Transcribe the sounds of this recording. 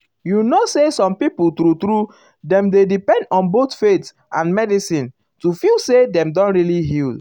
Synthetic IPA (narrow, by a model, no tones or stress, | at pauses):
junosesɔ̃mpiputɾutɾu | dɛ̃mdedipɛ̃ndɔ̃nbotfet | ʔãnmɛdisĩn | tufilsedɛ̃mdɔ̃nɹiliɦil